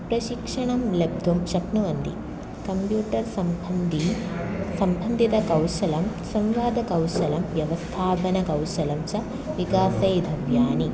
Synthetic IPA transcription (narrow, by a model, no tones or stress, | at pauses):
pɾɐʃikʂɐɳɐmleb̚d̪ʱumʃɐknuɐnd̪ḭ | kɐmpjuːʈɐɾsɐmnd̪isɐmbʱɐnd̪ʱit̪ɐkɐwʃɐlɐm | sɐmʋaːd̪ʱɐkɐwʃɐlɐmʋjɐʋɐst̪ʰaːpɐnɐkɐwʃɐlɐmt͡ʃɐ | ʋikaːsɐjd̪ʱɐʋjaːni